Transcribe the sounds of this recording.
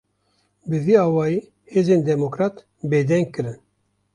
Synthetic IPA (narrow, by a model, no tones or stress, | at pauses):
bɨviːɑːwɑːjiː | heːzeːnd̪ɛmokɾɑːt̪ | beːd̪ɛŋɡ̚kɨɾɨn